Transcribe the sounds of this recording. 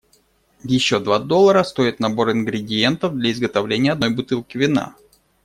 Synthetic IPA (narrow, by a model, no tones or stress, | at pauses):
vjɪɕːo̞d̪vad̪o̞lˠəɾəst̪o̞ɪt̪nɐbo̞ɾɪnɡɾʲɪdʲɪje̞nt̪əvd̪lʲɐɪzɡət̪ɐvlʲenʲɪjəɐd̪nojbʊt̪ɨlˠkʲɪvʲɪna̰